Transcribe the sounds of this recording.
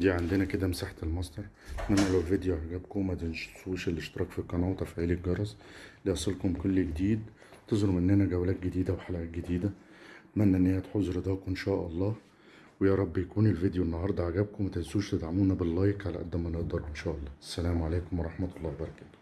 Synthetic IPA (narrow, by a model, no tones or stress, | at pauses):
d̪iːʕand̪enæked̪æmesaːħt̪elmɑsˤd̪ɑɾˤ | t̪mænːælæwelved̪joʕaɡæbkomæt̪enʃsuːʃelːeʃt̪eɾˤɑːkfikːɑnæːwt̪æfʕiːliɡɑɾˤɑsliʔɑsˤelkomkolːɡed̪iːd̪ | t̪ezˤɾˤomʔenːænæɡæwlæːt̪̚ɡed̪iːd̪æweħalæʔæːt̪̚ɡed̪iːd̪æ | mænːæʔenːhejːæt̪ħozɾd̪æːkʔenʃæːʔɑlˤːɑːh | wejæːɾˤɑbːjækuːnelvid̪ejoenːɑɦɑɾˤd̪ˤɑʕaɡæb̚komæt̪ejsuːʃt̪ed̪ʕamuːnæbelːɑːjekʕalæ̰ʔæ̰d̪ːæmæneʔd̪ɑɾˤʔenʃæːʔɑlˤːɑːʔæsːælæːmʕaleːkomwɑɾˤɑħmæt̪ɑlˤːɑːwebɑɾˤɑkæːt̪o̥